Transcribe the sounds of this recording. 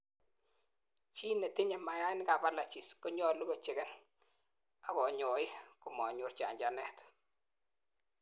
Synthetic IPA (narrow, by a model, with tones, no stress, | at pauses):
t͡ʃi˦ne˨tɪ˦ɲa˨ma˨ja˦nɪ˦ka˨ba˦la˨t͡ʃi˨skɔ˦ɲɔ˦lu˦kɔ˨t͡ʃe˨ɡɛ˦n | a˨kɔ˨ɲɔ˨ɪ˦kʊ˨mɔ˨ɲu˨ɾt͡ʃa̰˨ɲd͡ʒa˨nɛ˦˨t